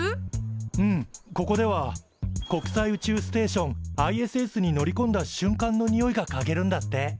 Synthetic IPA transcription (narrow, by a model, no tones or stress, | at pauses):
ɯ̟̃ɴko̞ko̞d̪e̞βa | ko̞kɯ̟̥saiɯ̟t͡ɕɨːsɨ̥t̪e̞ːɕõ̞ŋaie̞sɨe̞sɨɲ̟ino̞ɾʲikõ̞nd̪aɕɨ̃ŋkãnːo̞ɲ̟ijo̞iɡakaɡe̞ɾɯ̟̃nd̪at̪ːe̞